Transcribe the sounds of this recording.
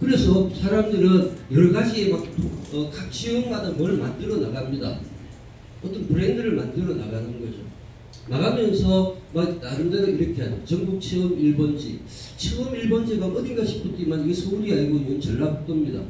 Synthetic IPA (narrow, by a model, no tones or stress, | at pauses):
kɯɾe̞sʰʌsʰaɾamdɯɾɯnjʌɭɡad͡ʑie̞mak̚tʰoʌkak̚t͡ɕʰeɯŋɦadɯnmʌɭmandɯɾʌnaɡamɲida̰ | ʌt͈ʌnpɯɾendɯɾɯɭmandɯɾʌna̰ɡanɯnɡʌd͡ʑo̰ | naɣamjʌnsʰʌmak̚naɾɯndaɾoiɾʌkʰeɦadot͡ɕʌŋɡuk̚t͡ɕʰeɯmiɭbʌnd͡ʑḭ | t͡ɕʰeɯmiɭbʌnd͡ʑiɡaʔʌɡenɡaɕʰi̥p͈ʰɯt͈t͡ɕ͈imaniɡesʰoɾiaɭɡoinːɯnt͡ɕʌɭːabok̚t͈ʌmɲida̰